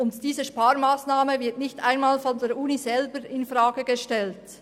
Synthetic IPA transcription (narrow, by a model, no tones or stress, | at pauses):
ʊntd̥iːzəʃpaːɾmaːsnaːməvɪɐtnɪçta̰ɪnmaːlfɔndeːɐɾʔuːnizɛlbəɾɪnfʁaːɡəɡəʃtɛlt